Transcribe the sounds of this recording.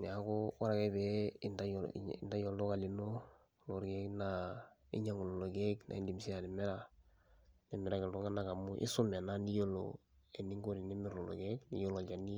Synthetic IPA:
n˨a˨˦ko˦wa˦ɾa˨kɛ˦bɛ˦ɪ˨nda˦j̰nda˦jo˨lo˦ka˨lɪ˨no˦ | lo˨ɾɡe˦kna˦ḭ˦ɲa˦ŋu˨lo˨lo˨ɡe˦kna̰˨i˦ndi˨msi˦a˨nɛ˨mɛ˦ɾa˨ | nɛ˨mɛ˨ɾa˦kɪ˨ldɔ˦ŋa˦na˦ka˨mʊ˦ʔḭ˦sʊ˦me˨na˦ni˦jo˦lo̰˨ | e˨ni˦ŋɡo˦ɾi˨ni˦mɪ˦ɾlo˨lo̰˨ɡe˦knḭ˨jo˦lo˨d͡ʒa˨ni˦

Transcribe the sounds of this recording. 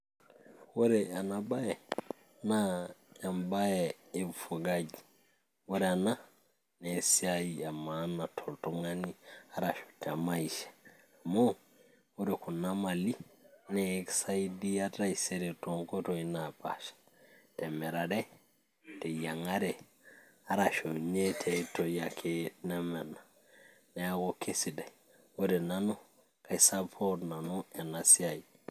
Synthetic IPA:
woɾɛanaba˦je | najambajeefo˨ɡad͡ʒi | wo˦ɾɛana | nesiaia˨manatʰoltoŋania˨ɾaʃo̥tɛamaiʃḁ | mo | woɾeku˨namalinɛːksa˦idi˦a˦ta˦ise˦ɾe˨to˨ŋko˦to˨i˦napa̰˨ʃḁ | tɛ˨mɛ˨ɾa˨dɛ˦ | tɛ˨ja˨ŋa˦ɾɛ˨ | a˦ɾa˨ʃo˨ɲe˦tʰe˨˦to˨ja˨kʰe˦na˦mɛ˨ɾna˨ | ne˦a˦ɡo˦ke˦si˨dɛ˨ | o˦ɾe˨na˦nu˦ | ka˨i˨sapʰo˦ɾna˨nu˦e˨na˨si˦a˨i˨

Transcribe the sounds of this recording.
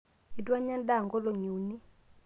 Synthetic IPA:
i˨dwa˦ɲa˦nda˦˨ŋɡɔ˦lɔ˨ɲu˨ni˦

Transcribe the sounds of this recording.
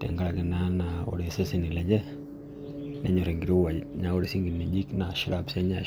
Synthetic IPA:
tɛ̰˨ŋɡa˦la˨ɡɪ˨na˦na˨ɔ̰˨ɾe˨sɛ˦se˨ni˨lɛ˨ɲd͡ʒɛ˦ | nɛ˦ɲɔ˨ɾe˨ŋɡi˨ɾi˦wa˨ɲa˦ɔ˦ɾe˨si˦ŋɡi˨ni˨d͡ʒi˦kna˨ʃɪ˦ɾabsɛ˦ɲa

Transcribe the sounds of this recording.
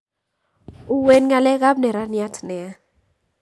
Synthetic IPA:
u˨we˦nŋa˨lɛ˦ɣa˦bnɛ˨ɾa˦nja˦tʰnɛ˨a˦

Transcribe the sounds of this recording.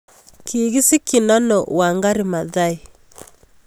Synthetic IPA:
kʰi˨ɣi˦si˦ki˨na˦nɔ˨wa˨ŋɡa˦ɾi˨ma˨ða˦i˨

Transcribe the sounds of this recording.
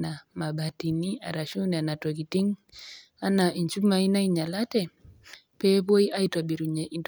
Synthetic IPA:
na˨ma˨bati˨ni˦a̰˨ɾa˨ʃu˦ni˨a˨na˨to˨kiti˦ŋ | a˦na˨i˨ɲt͡ʃu˦ma˨i˦na˦iɲa˨la˦tɛ | pɛpo˦i˦ʔa˦ita˨bi˨ɾu˨ɲɛint

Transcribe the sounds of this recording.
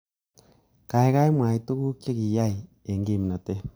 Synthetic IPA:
ka˨e˦ka˦e˦mwaː˨i˨to˦ɣu˦kje˦ɣi˨ja˦i˨ | e˨ŋɡi˦˨mi˨na˨te˦

